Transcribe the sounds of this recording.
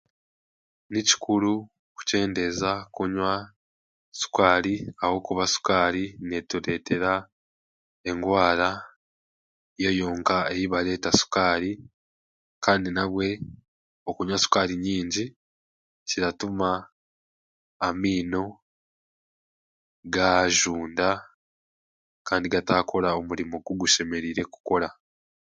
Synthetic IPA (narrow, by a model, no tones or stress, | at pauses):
nici̥kʰulu | ku̥ce̞ːnde̞zakuɲwa | su̥kaːɾiawo̞kuβasu̥kaːɾine̞tuɾe̞ːte̞ɾa | e̞ŋɡwaːɾa | je̞joːŋkaejiβale̞ːtasu̥kaːɾi | kaːndinaβwe̞ | o̞kuɲasu̥kaːɾiɲiːɲɟi | ciɾatuma | miːno̞ | ɡaʒuːnda | kaːndiɡataːkʰo̞ɾao̞muɾimo̞ɡuɡuʃe̞me̞ɾiɾe̞ku̥ko̞ɾa